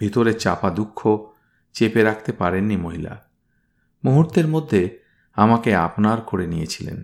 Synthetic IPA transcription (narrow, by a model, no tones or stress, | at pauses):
bʱit̪oɾet͡ɕa̰pad̪ukʰːo | t͡ɕepeɾakʰt̪epaɾenːimoɦila̰ | muɦuɾt̪eɾmod̪ʱːe | amakea̰pnaɾkoɾenijet͡ɕʰilḛn